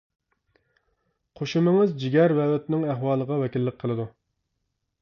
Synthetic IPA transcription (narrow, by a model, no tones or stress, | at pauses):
qʰoʃumɪŋɨzd͡ʒiɡʲæɾwɛwɛt̪nɪŋæɦwɑːlˠəʁɑwɛkʲilːɪq̚ʲqʰəlˠɨd̪u